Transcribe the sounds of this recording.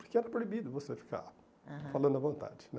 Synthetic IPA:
pʊɾkɪɛɾɐpɾoibid̪ʊvosefi̥ka̰ | falɐ̃nd̪ʊɐvõnt̪a̰d͡ʒɪn

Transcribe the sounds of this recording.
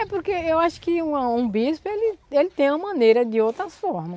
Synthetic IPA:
ɛpoɾkeewaʃʊ̥kɪũɐũbispelɪelɪt̪ẽj̃ũmɐ̃mɐ̃nejɾɐd̪ɪowt̪ɾɐsfɔɾmɐs

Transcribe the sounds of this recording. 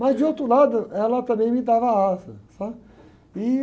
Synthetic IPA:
mɐzd͡ʒɪowt̪ɾʊlad̪ʊɛlɐt̪ɐ̃mbẽj̃mɪd̪avɐaasɐsa | ɪ

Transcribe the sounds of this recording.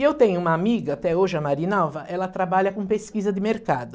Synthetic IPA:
ewt̪ẽɲʊũmɐamiɡɐat̪ɛoʒɪɐmaɾinawvɐʔɛlɐt̪ɾabaʎɐkõpeskizɐd̪ɪmeɾkad̪ʊ

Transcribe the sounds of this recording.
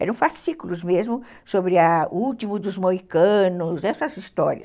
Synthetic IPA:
ɛ̰ɾɐ̃w̃fasikulʊzmezmʊ | sobɾɪɐuwt̪imʊd̪ʊzmoikɐ̃nʊzɛsɐzist̪ɔɾiɐ̰s

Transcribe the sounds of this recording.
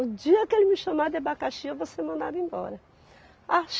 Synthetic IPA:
ʊd͡ʒiɐkɪelɪmɪʃɐ̃mad̪ebakaʃievosemɐ̃nd̪aɾẽj̃bɔ̰ɾɐ | aʃ

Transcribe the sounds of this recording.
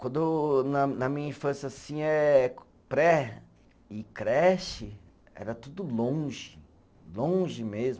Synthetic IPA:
kwɐ̃nd̪ʊewnɐnɐmĩɲɐĩfɐ̃siasĩɛ | pɾɛ | ɪkɾɛsɪ | ɛ̰ɾɐt̪ud̪ʊlõʒɪ | lõʒɪmezmʊ

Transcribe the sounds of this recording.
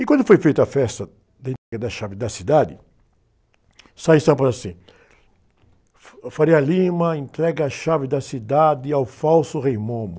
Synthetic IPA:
ɪkwɐ̃ndʊfojfejt̪ɐfɛst̪ɐ | d̪ɐẽnt̪ɾɛɡɐd̪ɐʃavɪd̪ɐsid̪ad̪ɪ | sajĩsɐ̃pɐzɐsĩ | faɾeɐlĩmɐẽnt̪ɾɛɡɐːʃavɪd̪ɐsid̪ad̪ɪawfawsʊʁejmõmʊ

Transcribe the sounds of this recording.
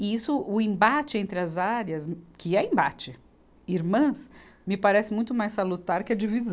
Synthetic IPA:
ɪisʊʔʊẽbat͡ʃɪẽnt̪ɾɪɐzaɾjɐskɪɛẽmba̰t͡ʃɪ | iɾmɐ̃smɪpaɾɛsɪmũj̃t̪ʊmajsalut̪aɾkɪɐd͡ʒivizɐ̃

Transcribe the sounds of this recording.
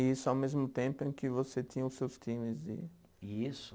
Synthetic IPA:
isʊawmezmʊt̪ẽmpʊẽkɪvoset̪ĩɲɐ̃ʊsewst̪ĩmɪzd͡ʒɪ̰ | isʊ

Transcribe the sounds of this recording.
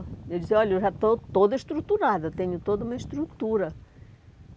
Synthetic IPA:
ewd͡ʒisɔʎɐewʒat̪ot̪od̪ɐiʃt̪ɾut̪uɾad̪ɐt̪ẽɲʊt̪od̪ɐũmɐiʃt̪ɾut̪uɾɐ

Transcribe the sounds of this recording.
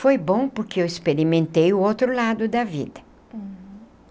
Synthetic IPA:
fojbõpʊɾkɪewespeɾimẽnt̪ejʊowt̪ɾʊlad̪ʊd̪ɐvḭd̪ɐ

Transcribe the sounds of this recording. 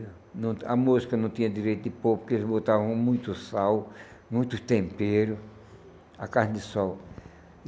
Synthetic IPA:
nɐ̃w̃ɐmuzikɐnɐ̃w̃t̪ĩɲɐd̪iɾejt̪ʊd̪ɪpopʊkelɪzbot̪avɐ̃w̃mũj̃t̪ʊsawmũj̃t̪ʊst̪ẽmpeɾʊ | ɐkahnɪd̪ɪsɔw

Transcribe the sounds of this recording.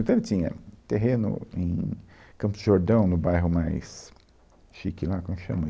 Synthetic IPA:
t̪ɐ̃lɪt͡ʃ̪ĩɲɐ̰t̪eɦẽnʊ̰ḛ̃j̃kɐ̃pʊzd͡ʒʒoɾd̪ɐ̃w̃nʊbajɦʊmajs | ʃikilakõmsʃɐ̰̃mɐ

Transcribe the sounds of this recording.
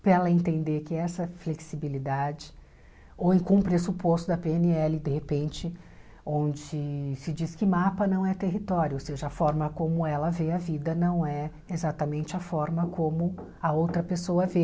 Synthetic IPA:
pɛlɐẽnt̪ẽnd̪eɾkɪɛsɐfleksibilid̪ad͡ʒɪ | oẽkũpɾesupost̪ʊd̪ɐpeeniɛlɪd̪ehepẽnt͡ʃɪ | õd͡ʒɪɪsɪd͡ʒiskɪmapɐnɐ̃w̃ɛt̪eɦit̪ɔɾjʊoseʒɐɐfɔɾmɐkõmʊɛlɐveɐvid̪ɐnɐ̃w̃ɛ | ezat̪ɐmẽnt͡ʃɪɐfɔɾmɐkʰõmʊ | ɐowt̪ɾɐpesoɐve

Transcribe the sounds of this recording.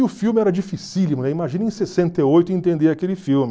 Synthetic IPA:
ɪʊfiwmɪɛɾɐd͡ʒifisilimʊnɛimaʒĩnɐẽsesẽnt̪eojt̪ʊẽnt̪ẽnd̪eɾakelɪfiwmɪ

